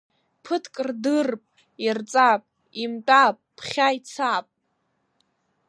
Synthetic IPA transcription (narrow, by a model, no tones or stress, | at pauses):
pʰɨtʰkʼrdɨrpʼ | irt͡sʼapʼ | imtʼapʼpʰχʲajt͡sʰapʼ